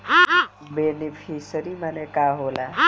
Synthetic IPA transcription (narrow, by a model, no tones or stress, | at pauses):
benepʰisəɾimanekaɦola